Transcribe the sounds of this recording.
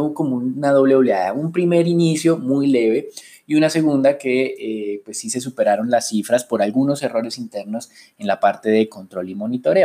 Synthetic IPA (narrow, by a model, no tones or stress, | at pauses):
uβko̞mounað̞o̞βleoβleaða̰umpɾime̞ɾinisjo̞mujle̞βe̞ | iunase̞ɣund̪ake̞epwe̞sːise̞s̬upe̞ɾaɾo̞nlasːifɾaspo̞ɾalɡuno̞se̞ro̞ɾe̞sint̪e̞ɾno̞s | e̞nlapaɾt̪e̞ðe̞ko̞nt̪ɾo̞limo̞nit̪o̞ɾeo